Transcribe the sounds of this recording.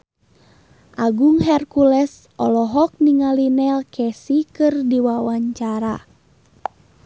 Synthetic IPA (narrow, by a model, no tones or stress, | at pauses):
ʔaɡuŋɦɛrkulɛs | ʔɔlɔɦɔk̚niŋalinɛlkʰɛsikɨrdiwawaɲt͡ʃaɾa